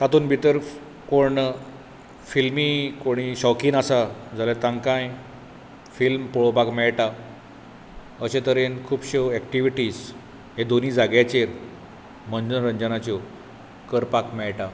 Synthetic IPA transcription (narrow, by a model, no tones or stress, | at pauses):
t̪at̪uːnbʱit̪əɾ | koɳ | filmikoɽ̃iɕɔkiːnasad͡zʱalet̪ãŋkãj | filmpoɭopakmɛɭʈa | əɕẽt̪əɾenkʰuːbɕeɛk̚ʈiʋiʈiːs | ɦed̪oniːd͡zaɡjat͡ɕeɾ | m̤ənd͡ʑənɾəɲd͡ʑənat͡ɕɔ | kəɾpakmɛɭʈa